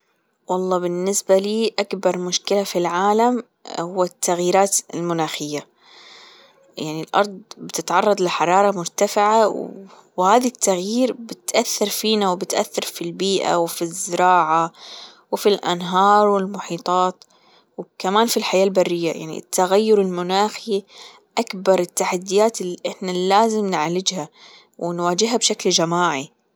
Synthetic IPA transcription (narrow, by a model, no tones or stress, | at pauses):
wɑlˤːɑːbɪnːɪsbaliːʔakbɑɾˤmʊʃkɪlafilʕaːlam | hʊwːat̪ːaɣjiːɾaːt̪ɪlmʊnaːxɪjːa | jaʕnilʔɑ̰ɾˤd̪ˤbɪt̪ɪt̪ʕɑrˤːɑd̪ˤlɪħɑɾˤɑːɾˤɑmʊɾt̪afɪʕaw | whaːðat̪ːaɣjiːɾbɪt̪ʔaθːɪɾˤfiːnawbɪt̪ʔa̰θːɑɾˤfilbiːʔa̰wfizːɪɾɑːʕa | wfilʔa̰nɦɑːɾˤwɪlmʊħiːt̪ˤɑːt̪ | wkamaːnfilħajaːlbarːɪjːaja̰ʕnḭt̪ʰːaɣajːʊɾɪlmʊnaːxi | ʔakbɑɾˤɪt̪ːaħad̪ːɪjaːt̪ɪlːiʔɪħnalaːzɪmnʕlɪd͡ʒha | wɪnwaːd͡ʒɪɦabʃakld͡ʒamaːʕi